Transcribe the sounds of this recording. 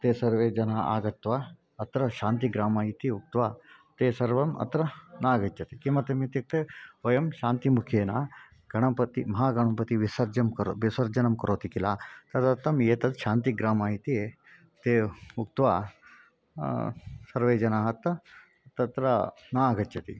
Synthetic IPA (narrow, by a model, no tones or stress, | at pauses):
t̪eːsɐɾʋeːd͡ʒɐnaa̰ːɡɐt̪ːʋaː | ɐt̪ɾɐʃaːnt̪iɡɾaːmaːit̪iuk̚t̪ʋaːt̪eːsɐɾʋɐmɐ̰t̪ɾɐnaːɡɐt͡ʃɐt̪ikimɐt̪ɐmet̪ik̚t̪eojɐmʃaːnt̪imukʰeːnaː | ɡɐɽ̃ɐpɐt̪imɐɦaːɡɐɳɐmpɐt̪iʋisɐɾd͡ʒɐmkɐɾʋisɐɾd͡ʒɐnɐmkɐɾoːt̪ikilaːt̪ɐt̪ɐt̪ːɐmjeːt̪ɐt̪ʃaːnt̪iɡɾaːmaːit̪ie | t̪eːuk̚t̪ʋaː | sɐɾʋeːd͡ʒɐnaːɦɐt̪ɐ | t̪ɐt̪ɾɐ | naːɡɐt͡ʃt͡ʃɐt̪ḭ